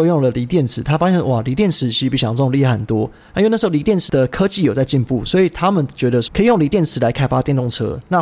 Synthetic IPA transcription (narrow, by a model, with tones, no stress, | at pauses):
o˥˧jo˥˩ŋlə˨li˧˥t̪jɛ˥˩nt͡sʰɹ̩˨˩˦t̪ʰa˦˥fa˥ɕɛ˥˧nwa˨˩li˧˥t̪jɛ˥˩nt͡sʰɻ̩˧˩t͡ɕʰi˧pi˥˩ɕjli˥˧˩ə˧˩xə˨˩nt̪wɔ˥˧˥ | n˥˩ʂ̩˧˥˧li˧˥jɛ˥˩nt͡s̩ʰ˨˦d̪ə˧kʰɤ˦t͡ɕi˥˨jo˨˩t͡sa˥˧ɪt͡ɕi˥˧npu˥˩swɔ˧˥i˨˩t̪ʰa˦mə˨nt͡ɕɥɛ˧˦˥d̪ə˧kʰə˧˥i˨jo˥˩ŋli˧˥t̪jɛ˥˩nt͡sʰɹ̩˨˩la˨˦ɪkʰa˥ɪfa˥t̪jɛ˥˧nt̪o˥˩ŋt͡sʰɤ̰˧˥na˥˨